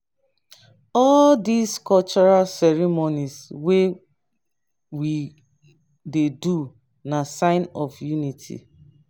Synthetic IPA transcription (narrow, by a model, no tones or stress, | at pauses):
ɔldiskɔlt͡ʃɔɹalsɛɹimoniswe | wi | dedu | nasãɪnɔfjunitʰḭ